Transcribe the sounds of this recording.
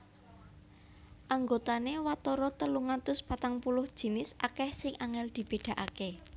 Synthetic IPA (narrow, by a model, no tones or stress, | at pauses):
ʔaŋɡot̪anewat̪oɾɔt̪əluŋant̪ʊspat̪aŋpulʊhd̥ʒ̥i̤nɪsʔakɛhsɪŋʔaŋɛld̪̥i̤b̥e̤ɖ̪̥ä̤ʔake